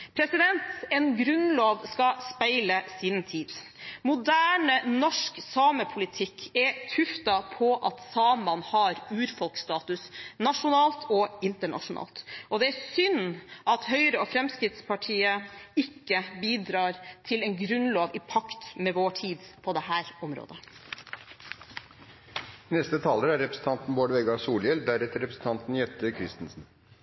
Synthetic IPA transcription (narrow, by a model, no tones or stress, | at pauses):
pʰɾɛsɪd̪ɛnt̪ɛnɡɾʉnloːʋskɑspæɪləsint̪ʰiːd̪ | mʊd̪æːɳənɔʂksɑːməpʰʊlɪt̪ʰɪkʰːɛt̪ʰʉft̪ɑpʰɔʔɑt̪sɑːmɑnhɑɾʉːɾfɔlkst̪ɑːt̪ʉsnɑʂʊnɑːlt̪ʰɔɪnt̪əɳɑ̰ʂʊnɑ̰ːlt̪ɔd̪ɛæsʏnʔɑt̪hœʏɾəɔfɾɛmskɾɪt̪spʰɑʈʰiːəɪkːəbiːd̪ɾɑːɾt̪ʰɪlɛɪnɡɾʉnloːʋɪpʰɑkt̪mɛʋoːʈʰiːd̪pʰɔd̪ɛhæːɾɔmɾo̰ːd̪ə | nɛst̪ət̪ʰɑːləɾæɾɛpɾə̥sn̩t̪ɑnt̪n̩boːɖəʋɛɡɑsuːljɛld̪æɾɛt̪əɾɛpɾəsn̩t̪ʰɑnt̪n̩jɛt̪ːəkʰɾɪst̪nsn̩